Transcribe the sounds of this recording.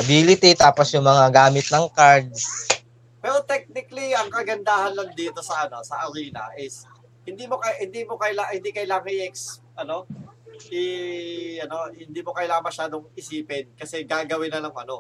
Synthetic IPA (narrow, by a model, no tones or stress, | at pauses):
ʔɐbiːlɪt̪it̪aːposjʊŋmɐŋaɡaːmɪt̪̚nɐŋkaɹd̪̚s | pɛɾot̪ɛk̚nɪkliɐŋkɐɡɐnd̪aːhɐnlɐŋd̪iːt̪o̞sɐʔɐno̞sɐʔɐɾiːnɐ̰ʔɪs | hɪnd̪iːmokɐhɪnd̪iːmokɐjlahɪnd̪ikɐjlaːŋɐŋɪʔɛks | ʔɐno̞ʔɪ | ʔɐno̞hɪnd̪iːmokɐjlaːŋɐŋmɐʃaːd̪oŋɪsiːpɪnkɐsɛɡaːɡɐwɪnːɐlɐŋɐno̞